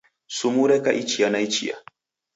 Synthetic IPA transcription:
sumuɾɛkaʔit͡ʃijanajt͡ʃḭja̰

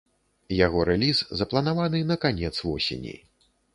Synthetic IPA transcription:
jaɣɔɾɛlʲiszɐplˠɐnavanɨnɐkanʲɛt̪svɔsʲḛnʲḭ

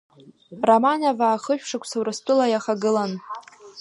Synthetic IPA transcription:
ramanavaːχəʃᶣʂakʷʰsawrɨstʼɨlajaχaɡɨlan

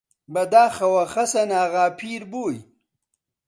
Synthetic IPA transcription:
bɐd̪aːxɐwɐxɐsɐnaːɣaːpʰiːɾboːj

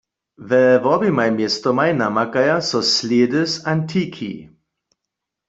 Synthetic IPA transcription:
vɛvɔbimajmjestɔmajnamakajasɔsleːdəsantʰiːkʰḭ

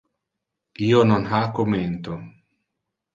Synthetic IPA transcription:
iononɦakoment̪o

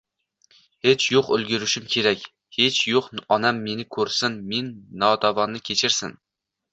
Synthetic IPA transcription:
he̞t͡ʃʰjʊqɵlɡʲɪɾɪʃɪmkʲʰe̞ɾakʲ | he̞t͡ʃjoqɒnamːe̞nɪkʰɵɾsɪnme̞nːɒt̪ʰɒvɒnːɪkʲʰe̞t͡ʃʰɪɾsɪ̰n

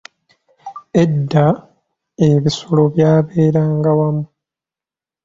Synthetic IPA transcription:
e̞dːa | e̞βisolo̞βjaːβe̞ːɾaːŋɡawamu

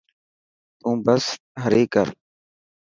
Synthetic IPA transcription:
t̪ũːbəs | ɦəɾeːkəɾ

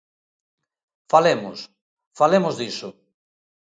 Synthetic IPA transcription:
falemʊs | falemozðisʊ

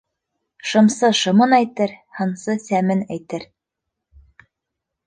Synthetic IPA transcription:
ʃɤ̆msɤʃɤ̆mɤnæjt̪ɘɾhɤ̆nsɤsæmɘnæjt̪ɘɾ

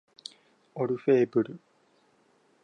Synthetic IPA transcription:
oɾufeːbɯɾɯ

